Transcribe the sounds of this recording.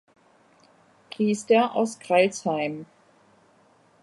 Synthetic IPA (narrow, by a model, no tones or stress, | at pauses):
kʰiːstəɐʔa̰ʊskʁ̥alshaɪm